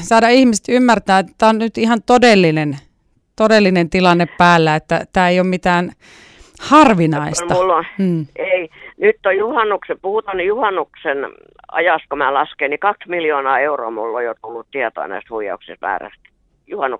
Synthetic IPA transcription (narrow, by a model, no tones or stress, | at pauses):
sɑˑːdɑihmist̪ymːært̪æːet̪t̪æːonnyt̪ihɑnt̪odelːinen | t̪odelːinent̪ilɑnːeppæːlːæet̪ːæ̰t̪æːeiommit̪æːn | hɑrʋinɑist̪ɑulːoːeinyt̪ːojuhɑnːuksepuhut̪ɑnjuhɑnːuksen | ɑ̰jɑst̪̚komæːlɑskeːnikɑksmiljoːnɑːeuro̰ɑmulːojot̪ulːut̪t̪iɛt̪o̰ɑ̰næ̰ist̪huijˑɑ̰uksist̪mæ̰ːræ̰st̪ | juhɑnːuk